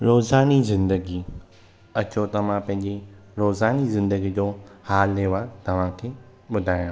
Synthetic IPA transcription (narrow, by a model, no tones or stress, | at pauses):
ɾoːzaːnizɪ̃nd̪əɡi | ɐt͡ɕot̪ɐm̤ãpɐ̃ɦɪ̃ɲd͡ʑiɾoːzaːnizɪ̃nd̪əɡid͡ʑoːhaːlːeːʋaːɾt̪ɐʋ̤ãkʰeː | ɓʊd̪ʱaːjã